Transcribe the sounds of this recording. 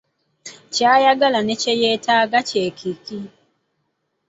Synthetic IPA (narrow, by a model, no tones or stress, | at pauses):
t͡ʃajaɡalanet͡ʃejetaɡat͡ʃekʰiki